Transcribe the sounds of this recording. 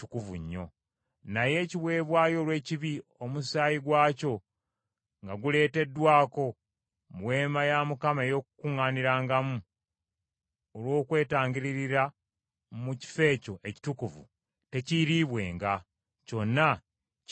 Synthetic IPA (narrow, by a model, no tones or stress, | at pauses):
ukuvuɲːo̞̰ | naje̞ciβwe̞ːβwaːjo̞ːlwe̞ːciβio̞musaːjiɡwaːco̞ | ŋɡaɡule̞ːte̞dːwaːko̞ | mwe̞ːmajamukamae̞jo̞ːkukuŋːaːniɾaːŋɡamu | olwo̞ːkwe̞ːtaːŋɡiɾiɾiɾa | muci̥fe̞ːco̞ʔe̞ci̥tukuvṵ | te̞ciɾiβwe̞̰ːŋɡa | co̞nːa